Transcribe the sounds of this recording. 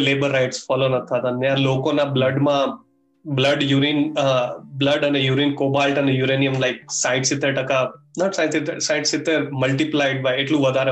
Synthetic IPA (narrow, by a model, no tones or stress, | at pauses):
leːbəɾːaɪʈsfɔːlonɐt̪ʰːat̪ɐnjãloːkõnablɐɖmã | blɐɖjuɾiːn | blɐɖɐnejuɾiːnkoːbalʈɐnejuɾeːnijəmlaɪk̚saɪʈsɪt̪ʰːeʈɐkanɔʈsaɪʈsit̪esaɪʈsit̪eɾmɐlʈiplaɪɖ̚ʋajeʈlũʋɐd̪ʱaːɾ